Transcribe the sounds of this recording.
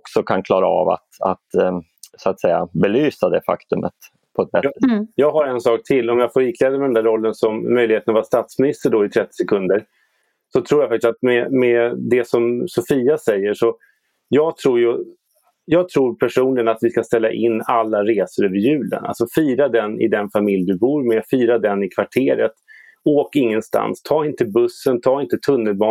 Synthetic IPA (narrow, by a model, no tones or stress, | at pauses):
ɔksɔkʰankʰlɑːɾaa̰va̰t̪a̰t̪ | soat̪sɛjːa̰bɛlyːsad̪ɛfa̰kt̪ɵmə̰t̪ | pʰɔɛt̪̚bɛjɑːɡɦaɾɛnsɑːk̚t̪ʰɪlːɔmjaːɡfoːɾɪkʰlɛːd̪əmɛd̪ɛnd̪æːɾɔlːənsɔmːœjlɪheːt̪navaɾst̪ɑːt̪smɪnɪst̪əɖɔɪt̪ʰɾɛt̪ːɪ̥sɛkʰɵnd̪əɾ | sɔt̪ʰɾuːjafak̚t̪ɪsat̪mɛmɛd̪ɛsɔmsɔfiːasɛjːəʂɔ | jɑːɡt̪ʰɾuːɾjɵ | jɑːɡ̚t̪ʰɾuːɾpʰæʂuːnɪɡənat̪vɪskast̪ɛlːa̰ʔɪnːalːaɾeːsəɾøːvəɾjʉ̟ːlə̰nʔa̰lsɔfiːɾad̪ɛnːɪ̰d̪ɛnfamɪljd̪ɵbuːɾmɛfiːɾad̪ɛnːɪkʰvaʈʰeːɾət̪ | oːkɪŋːənst̪a̰nst̪ʰɑːɪnt̪əbɵsːənt̪ʰɑːɪnt̪ət̪ʰɵnːəlbɑː